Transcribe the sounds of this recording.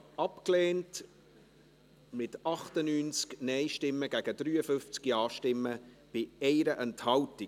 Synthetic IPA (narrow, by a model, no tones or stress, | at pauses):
ɑpkleːnt | mɪtɑχtənyːnt͡sknɛɪʃtɪmːəɡæɡ̥əd̥ɾyːəfʏft͡skiɑːʃtɪmːə | b̥ɪɛɪɾəʔɛnthɑlti